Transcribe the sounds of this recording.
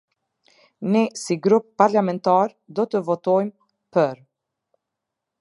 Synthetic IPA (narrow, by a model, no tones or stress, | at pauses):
nɛsiɡɾupːaɾlamɛnt̪aɾ | d̪ɔt̪əvɔt̪ɔjm | pəɾ